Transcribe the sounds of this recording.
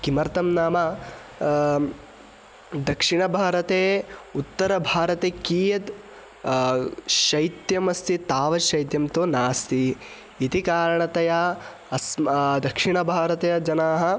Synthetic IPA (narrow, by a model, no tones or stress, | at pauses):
kimɐɾt̪ɐmnaːmɐ | d̪ɐkʂiɳɐbʱaːɾɐt̪eːut̪ːɐɾɐbʱaːɾɐt̪eːkiːjɐt̪ | ʃɐjt̪jɐmɐst̪it̪aːʋɐʃɐjt̪jɐmt̪oːnaːst̪iː | t̪ikaːɾɐɳɐt̪ɐjɐ | ɐsmd̪ɐkʂiɳɐbʱaːɾɐt̪ɐjɐd͡ʒɐnaːɦɐ